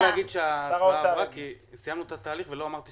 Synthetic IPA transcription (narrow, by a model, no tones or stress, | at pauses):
aɡid̪ʃeaaʁakisijamnuet̪at̪aːliχveloamaʁt̪i